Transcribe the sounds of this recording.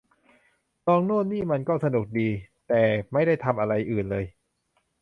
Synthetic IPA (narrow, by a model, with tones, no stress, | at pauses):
t̪ɔː˧ŋnu˥˩ənnːiː˥˩ma˧nkɔː˥˩sa˧nu˨˩k̚diː˧t̪ɛː˨˩ma˥˩jda˥˩jt̪ʰa˧mʔa˧ɾa˧jʔɯː˨˩nlɤː˧j